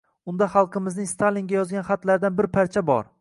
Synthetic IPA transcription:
ʊnd̪aχɑlˠqʰɨmɪznɪŋst̪ʰaliŋɡʲajɒzɡʲanχat̪laɾd̪anbɪɾpʰaɾt͡ʃʰabɒ̰ɾ

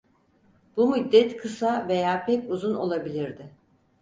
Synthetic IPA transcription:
b̥umud̪ːɛt̪kʰɯsave̞jaːpʰɛcuzuno̞̰lˠabilʲiɾd̪ɪ

